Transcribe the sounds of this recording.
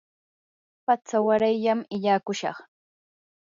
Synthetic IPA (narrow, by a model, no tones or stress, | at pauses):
pat͡sawaɾajʎamɪʎaːkʊʃɑ̰χ